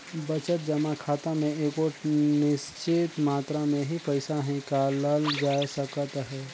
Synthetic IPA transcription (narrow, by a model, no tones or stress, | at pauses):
bət͡ʃət̪̚d͡ʒəmakʰaːt̪amẽeːkonɪst͡ʃɪt̪maːt̪ɾamẽɦipəɪsaɦɛ̃kaləld͡ʒaːjsəkət̪ɦɛː